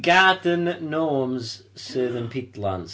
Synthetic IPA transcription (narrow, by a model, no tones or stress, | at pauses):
ɡaːdənːɔːmz̥sɜːðə̃npʰɪtlãnz